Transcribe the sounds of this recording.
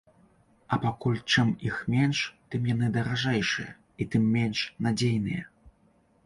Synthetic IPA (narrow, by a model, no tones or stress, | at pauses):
ɐpakulʲt͡ʂɨmixmʲɛnʂt̪ɨmjan̪ɨd̪ɐɾaʐɛjʂɨjɐ̰ | it̪ɨmːʲɛnʂnad͡zʲejnɨjɐ